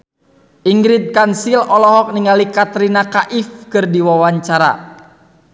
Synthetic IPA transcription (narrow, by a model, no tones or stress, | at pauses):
ʔiŋɡɾit̪̚kansilɔlɔɦɔk̚niŋalikat̪ɾinakaʔifkɨrdiwawaɲt͡ʃaɾa̰